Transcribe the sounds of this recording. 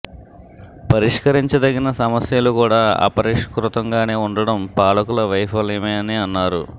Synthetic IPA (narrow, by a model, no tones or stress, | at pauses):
pɐɾiʂkɐɾiɲt͡ʃɐd̪ɐɡinɐsɐmɐsjɐlukuːɽaːa̰ːpɐɾiʂkɾut̪ɐŋɡaːne̞ːuɳɖɐɽɐmpaːɭɐkulɐʋɐjpɐlemeːɐniɐnːaːɾu